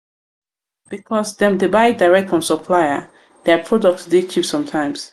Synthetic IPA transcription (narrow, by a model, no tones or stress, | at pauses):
b̥ikʰɔsdɛ̃mdebaɪddaɪɹɛk̚tɔ̃nsɔpʰlajə | dɛpʰɹɔdɔk̚tsdet͡ʃʰipsɔ̃mtʰãɪ̃ms